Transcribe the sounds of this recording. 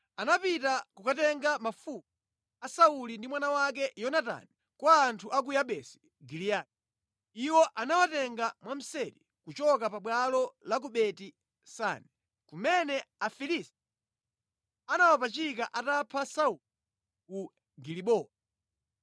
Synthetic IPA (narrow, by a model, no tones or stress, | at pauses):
anapitakukatɛŋɡamafuk̚u | asaulindimwanawakɛjɔnata̰ni | kwaːntʰuʔak̬ujaɓɛsi̥ | ɡilijai | iwɔʔanawatɛŋɡamwam̩sɛɾi | kut͡ʃɔkapaɓwalɔlak̬uɓɛti | sa̰nɛ | kumɛnɛafilisti̥ | anawapat͡ʃikaʔatapʰasau | ku | ɡiliɓɔːl